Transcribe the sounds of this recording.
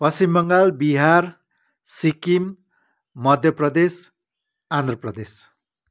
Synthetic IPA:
pʌsimbʌŋɡalbiɦar | sikim | mʌd̪ʱjʌprʌd̪es | and̪rʌprʌd̪es

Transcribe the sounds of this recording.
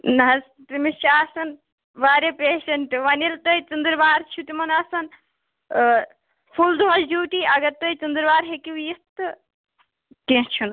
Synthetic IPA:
nɐɦɐs | t̪imit͡ʃʰaːsɐn | ʋaːɾepeːʃɐɳʈɨʋɐnilt̪əit͡ʃund̪ɨɾʋaːɾt͡ʃʰut̪imɐnasɐn | pʰuld̪oɐld͡ʒuːʈiɐɡɐɾt̪əjt͡ʃund̪ɨɾʋaːɾɦekiʋjit̪ːɨ | kẽːt͡ʃʰun

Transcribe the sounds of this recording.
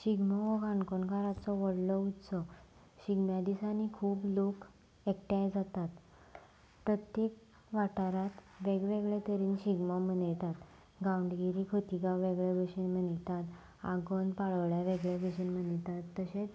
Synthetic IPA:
ɕiɡmɔʋəɡãnkoɳkaɾat͡sɔʋəɽlɔut̪sɔ | ɕiɡmjad̪isanikʰuːplok | ekʈjajd͡zat̪at̪ | pɾət̪jek | ʋaʈaɾat̪ | ʋeɡʋeɡɭat̪əɾiːnɕiɡmamənjt̪at̪ | ɡawɳɖɡiɾikʰət̪iɡaʋʋeɡɭjabəɕinmənit̪at̪ | a̰ɡənpaɭəʋɭjaʋeɡɭabəɕinm̤ənjt̪at̪ːəɕet͡s

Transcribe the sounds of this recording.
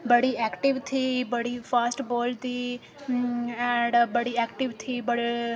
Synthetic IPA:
bəɽiːɛːkʈɪʋt̪ʰiːbəɽiːpʰaːsʈbɔːlt̪iː | ɛ̃ɳɖbəɽiːɛːkʈɪʋt̪ʰiːbəɽ

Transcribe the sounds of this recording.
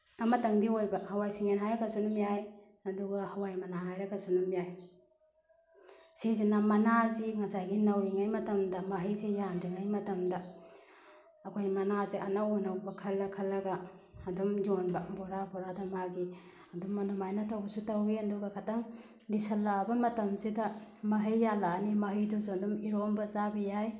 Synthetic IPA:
ɐmɐtɐŋdiojbɐhɐwajsiŋenɦajɾɐɡɐsunumijaj | ɐduɡɐhɐwajmɐnaɦajɾɐɡɐsunumijaj | sezinɐmɐnaziŋɐsajɡinɐwɾiŋajmɐtɐmdɐmɐɦijzejandiŋajmɐtɐmdɐ | kʰojmɐnaziʔɐnawonɐwbɐkʰɐlːɐkʰɐlːɐɡɐːdumjonbɐboɾapʰɔɾadɐmaɡi | ɐdumːɐnumajnɐtɐwbɐsutɐwiɐnduɡɐkʰataŋ | lisɐlːabɐmɐtɐmsidɐmɐɦijːalaːnimɐɦijdɔzuɐdumiɾombɐzabɐjaj

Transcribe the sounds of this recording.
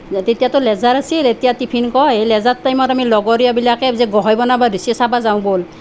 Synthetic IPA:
tetijatʊlɛzaɹasiletijatipʰinkɔejlɛzatːajmɔtamilɔɡɔɹijabilakɛzɛɡɔɦɔjbɔnabadisɔsabazaw̃bol

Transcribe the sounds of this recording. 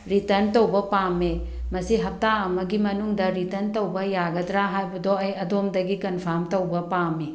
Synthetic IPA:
ɾitɐɾntɐwbɐpame | mɐsiɦɐp̚taɐmɐɡimɐnuŋdɐɾitɐɾntɐwbɐjaɡɐdɾaɦajbɐdoɐjɐdomdɐɡikɐnpʰamtɐwbɐpame

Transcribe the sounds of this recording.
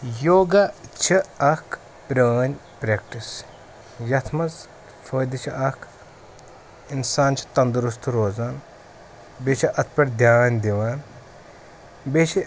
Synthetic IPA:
joːɡɐt͡ʃʰiɐkʰ | pɾɐːnʲ | pɾeːkʈis | jɐt̪ʰmɐz | fʰəːd̪it͡ʃʰiʔɐkʰ | insaːnt͡ʃʰi̥t̪ɐnd̪ɾus̬t̪ʰɾoːzaːn | bet͡ʃʰiʔɐt̪̚ʰpʲɐɾʲd̪ʱjaːnʲd̪iʋaːn | bet͡ʃʰi

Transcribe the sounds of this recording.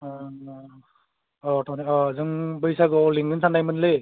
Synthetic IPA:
ɔtʰɔnaɔzɯŋbɯjsaɡɔliŋɡɯnsanajmɯnle

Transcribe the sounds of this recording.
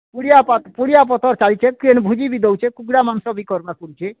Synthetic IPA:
puɽijapat̪puɽijap̬ɔt̪ɔɾt͡ʃalit͡ʃʰekɾenbʱud͡ʑibid̪owt͡ʃʰekuɡɽamansɔbikɔɾnakuɾit͡ʃʰe

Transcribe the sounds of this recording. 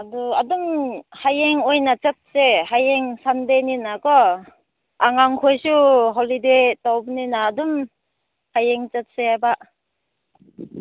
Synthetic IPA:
aduadumhajeŋojnat͡ʃət̚seɦajeŋsandeninakɔ | ʔaŋaŋkʰojsuɦolidetɔwp̚ninaːdum | hajeŋt͡ʃət̚seajbaʔ

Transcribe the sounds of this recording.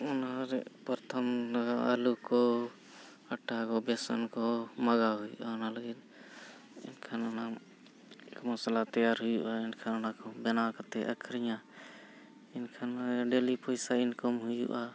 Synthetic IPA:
ɔnaɾɛ̰pəɾt̪ʰəmlaɡaə̰lukɔ | əʈːakɔbɛsɔ̰nkɔməɡaɦujṵʔaɔnaləɡin | ḭnkʰanɔna | kmɔslat̪ɛjaɾɦujuʔainkʰanɔnakɔbɛnakat̪ɛʔəkʰɾijã | inkʰanɖelipɔjsainkɔmɦujṵʔa

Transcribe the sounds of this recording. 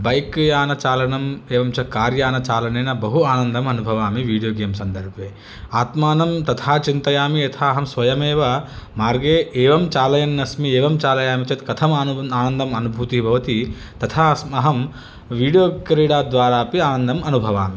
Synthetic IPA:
bɐjkjaːnɐt͡ʃaːlɐɳɐmeːʋɐmt͡ʃɐt̪̚kaːɾjaːnɐt͡ʃaːlɐnɐjnɐbɐɦuaːnɐnd̪ɐmɐnubʱɐʋaːmiʋiːɽijoːɡeːmsɐnd̪ɐɾbʱʋeː | aːt̪maːnɐmt̪ɐt̪ʰaːt͡ʃint̪ɐjaːmiɐt̪ʰaːɐɦɐmsʋɐjɐmeːʋɐmaːɾɡeːʔeːʋɐmt͡ʃaːlɐjɐnnɐsmieːʋɐmt͡ʃaːlɐjaːmit͡ʃɐt̪kɐt̪ʰɐmaːnuaːnɐnd̪ɐmɐnubʱut̪ibʱɐʋɐt̪i | t̪ɐt̪ʰaːɐsmɐɦɐm | ʋiːɽijoːkɐɾiɽaːd̪ʋaːɾaːpiaːnɐnd̪ɐmɐnubʱɐʋaːmi

